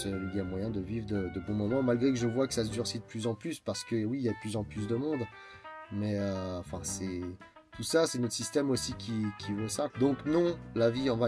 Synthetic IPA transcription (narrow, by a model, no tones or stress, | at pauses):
əiljamwajɛ̃d̪əvivʁd̪əd̪əbɔ̃mɔmɑ̃malɡʁek̬əʒəvwakə̥sasd̪yʁsid̪əplyzɑ̃plyspaʁsə̥kəwiːljad̪əplyzɑ̃plys̬d̪əmɔ̃d̪ | mɛøɑ̃fɛ̃sɛ | t̪ʰusasɛnɔt̪χsist̪ɛmosikʲʰikʲʰivosad̪ɔ̃knɔ̃laviɑ̃fɛ̃